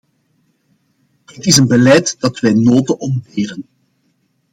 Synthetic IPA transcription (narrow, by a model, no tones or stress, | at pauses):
ɦətɪsənbəlɛjtd̥ɑtʋɛjnoːtəɔmbeːɾən